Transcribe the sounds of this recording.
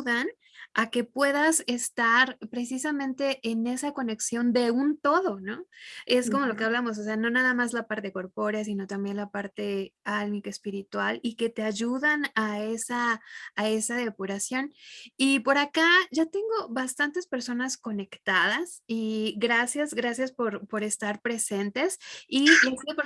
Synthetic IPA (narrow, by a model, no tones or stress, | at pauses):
ðan | ake̞pwe̞ðase̞st̪aɾpɾe̞sisamẽnt̪e̞ʔːne̞sako̞ne̞ksjo̞nd̪e̞unt̪o̞ðo̞no̞e̞sko̞mo̞lo̞ke̞aβlamo̞s̬ose̞ano̞naðamazlapaɾt̪e̞ko̞ɾpo̞ɾjas̬ino̞t̪ambjenlapaɾt̪e̞almikaespiɾit̪walike̞t̪e̞aʝuðanaesaː | e̞saðe̞puɾasjo̞nipo̞ɾakaʝat̪e̞ŋɡo̞βast̪ant̪e̞spe̞ɾso̞nasko̞ne̞kt̪aðasiɡɾasjazɣɾasjaspo̞ɾpo̞ɾe̞st̪aɾpɾe̞se̞nt̪e̞sias